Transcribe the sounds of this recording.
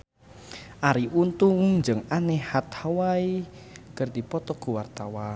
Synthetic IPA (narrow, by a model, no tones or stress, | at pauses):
ʔaɾiʔunt̪ʊŋɲd͡ʒɨŋanehat̪̚hawaikərd̪̥i̤pɔt̪ɔɡ̥uwart̪awa